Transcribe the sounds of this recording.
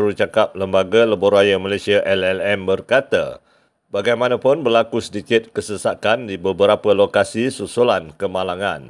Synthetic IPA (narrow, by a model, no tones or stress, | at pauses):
ɾut͡ʃakap̚ləmbaɡaləborajəmalasiaʔɛlɛlɛmbərkat̪a̰ | baɡajmãnãpʊnbərlakusətikɪt̪̚kəsəsakandibəbəɾapəlokasisusulankəmalaŋãn